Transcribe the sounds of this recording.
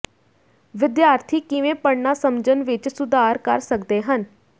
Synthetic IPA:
ʋɪd̪jaːɾt̪ʰiːkɪʋẽːpəɽnaːsəmd͡ʒənʋɪt͡ʃsʊd̪aːɾkəɾsəkd̪eːɦən

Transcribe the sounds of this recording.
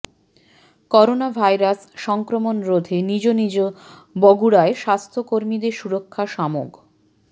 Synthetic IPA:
kɔɾonabʱajɾasʃɔŋkɾomonɾod̪ʱenid͡ʑonid͡ʑobɔɡuɽaeʃast̪ʰokoɾmid̪eɾʃuɾokʰːaʃamo̰ɡ

